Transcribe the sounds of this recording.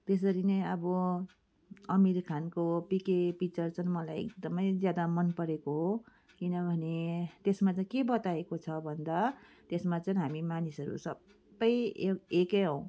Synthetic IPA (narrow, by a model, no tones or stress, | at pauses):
t̪es̬ʌɾineʌbʌ | ʌmiɾkʰankopikepit͡sʌrt͡sʰʌnmʌlajḛk̚d̪ʌmʌjd͡zjad̪amʌnpʌɾekoɦo | kinʌbʱʌnet̪esmat͡saj̃kebʌt̪aekot͡sʰʌbʱʌnd̪a | t̪esmat͡saĩɦamimanisʌɾṵsʌb | ʌjekeɦʌ̃w̃